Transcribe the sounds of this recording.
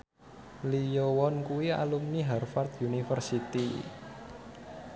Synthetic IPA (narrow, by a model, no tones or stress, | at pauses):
lijowɔnkuwia̰lumniɦɛrfart̪junifərsit̪i